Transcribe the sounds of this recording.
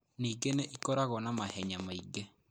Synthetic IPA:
niːɡeneʔikɔɾaɣɔnamahɛɲamaiɡe

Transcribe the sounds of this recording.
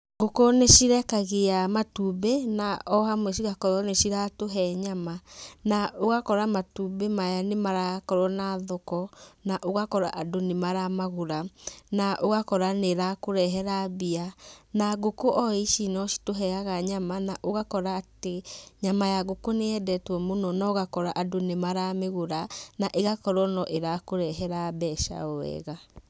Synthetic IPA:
ɡokoneʃiɾɛkaɣeamatuːbenaɔɦamwɛʃ̬iɣakɔɾɔneʃiɾatoɦɛɲamanaoɣakɔɾamatubemajanemaɾakɔɾwɔnaðɔkɔnaʔoɣakɔɾa̰ʔadonemaɾamaɣoɾanaʔoɣakɔɾaneɾakoɾɛɦɛɾaβianaɡokoʔɔiʃinɔʃi̥toɦɛaɣaɲamanaʔoɣakɔɾaːteɲamajaɣokoneɛdɛtwɔmonɔnɔɣakɔɾaʔadonemaɾameɣoɾanaʔeɣakɔɾwɔnɔʔeɾakoɾɛɦɛɾabɛːʃa̰ɔwɛ̰ɣa

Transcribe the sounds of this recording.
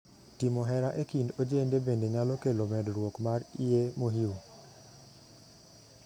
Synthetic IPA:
timɔɦɛɾaʔekindod͡ʒendebendeɲalɔkelomɛdɾwokmariemoɦiu

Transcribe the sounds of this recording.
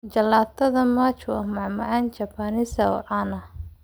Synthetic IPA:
t͡ʃɐlaːt̪ʰːɐðɐmaːt͡ʃwɑmɑʕmɐʕaːnt͡ʃɐpʰaːnɪsɐɔ̰ʕanɐ

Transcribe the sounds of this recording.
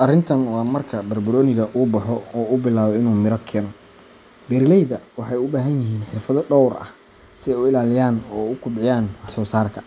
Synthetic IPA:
ʔɐrɪnt̪ʰɐnwɑːmɐrkʰɐbɐrbʊɾɔːnɪɣɐʔʊːbɐħɔɔːʊbɪlaːβɔɪnuːmɪɾɐkʰɛːnɔ | bɛɾlɛjðɐwɑħɑjʊbaːɦɐnjɪɦiːnħɪrfɐðɔɖɔwrɐ̰h | sɪʊɪlaːlɪjaːnɔːʊkʰʊbʕɪjaːnwɑħsɔːsaːrkʰɐ̥

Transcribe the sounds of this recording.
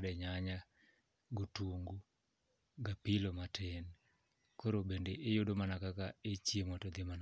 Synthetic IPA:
dɛɲaɲa | ɡotuŋɡu | ɡapilomatʰɛn | koɾobendeʔːjʊdomanakakaet͡ʃjemɔtɔd̪ɪman

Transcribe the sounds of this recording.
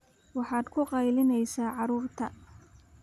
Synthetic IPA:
wɑħɑːd̪kʰʊqɑjlɪnɛjsaːʕɑɾuːrt̪ʰɐ

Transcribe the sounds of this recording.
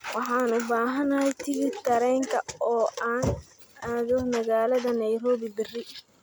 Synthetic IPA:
wɑħɑːnʊbaːɦɐnaːjt̪ʰɪβɪt̪ːɐɾɛːŋkʰɐɔːʔaːn | aːðʊmɐɣaːlɐðɐnɐjɾoːbibɪrɪ

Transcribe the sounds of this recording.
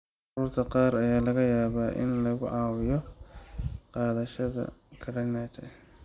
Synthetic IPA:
ʕɑruːrt̪ʰɐqɑːrɐjaːlɐɣɐjaːβaːʔɪ̰nlɐɣʊʕɑːwɪjɔ | qɑːðɐʃɐðɐ̰kʰɐɾɐnat̪ʰɐ

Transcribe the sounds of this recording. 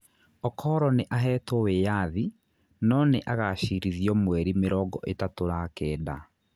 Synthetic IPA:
ɔkʰɔːɾɔneʔaɦɛːtɔwejaði | nɔneʔaɣaɕiɾiðjɔmwɛɾimeɾɔɡɔʔetatoɾakɛːda

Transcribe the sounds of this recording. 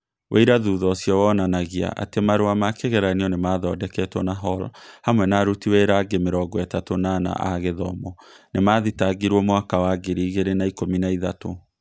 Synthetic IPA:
wʔḛiɾaðuːðɔsjɔwɔnanaɣia̰ʔa̰temaɾoamakeɣɛɾaniɔnemaðɔdɛkɛtwɔnaɦɔlhamwɛnaɾutiweɾaɡemeɾɔɡɔɛtatonana̰ʔa̰ɣeðɔmɔnemaːðitaɡiɾwɔmwakawaɡeɾiːɣeɾenaikominaiðato

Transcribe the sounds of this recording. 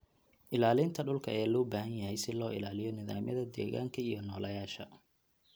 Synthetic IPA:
ʔɪlaːlɪnt̪ʰɐɖʊlkʰɐɛːlɔːbaːhɐnjɐɦɛjsɪlɔːɪ̰laːlɪjɔnɪða̰ːmɐ̰ðɐd̪ɛ̰ːɣa̰ːŋkʰɐijɞnɔːlʔɐjaːʃɐ

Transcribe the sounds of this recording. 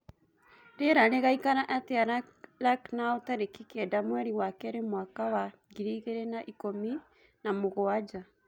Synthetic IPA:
ɾeɾaɾeɣaikaɾaʔateaɾ | laknaɔtaɾekikɛdamwɛɾiwakɛɾemwakawa | ɣiɾiːɣeɾɛnaʔikomi | namoɣoad͡ʒa

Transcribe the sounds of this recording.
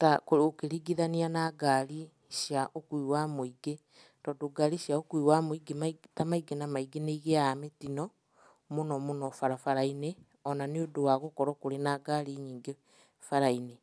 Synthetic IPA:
takookeɾiɡiðanianaɡaɾi | ʃjaʔokuiwamoiɡe | tɔːdoɡaɾiʃjaokuiwamoiɡematamaiɡenamaiɡeneiɣeametinɔ | monɔmonɔfaɾafaɾaine | ɔnaneodowaɣokɔɾɔkoɾenaɡaɾiɲiːŋɡe | faɾaine

